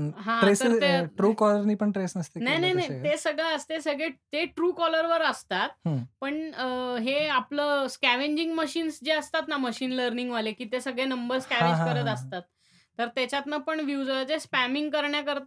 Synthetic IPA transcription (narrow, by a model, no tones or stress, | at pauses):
ɦãɾesəɾeʈɾuːkɔləɾniːpəɳʈɾesnəst̪enajnajnajt̪esəɡɭeəst̪esəɡɭet̪eʈɾuːkɔləɾʋəɾəst̪at̪ɦpəɳɦeapləskæʋeɲd͡ʑiŋɡməɕiːnsd͡ʑeəst̪at̪naməɕiːnləɾniŋɡʋalekiːt̪esəɡɭenəmbəɾskæʋẽd͡ʑɦkəɾət̪əst̪at̪ː | əɾt̪jat͡ɕjat̪nəpəɳʋjud͡zaat͡sespæmiŋɡkəɾɳjakəɾt̪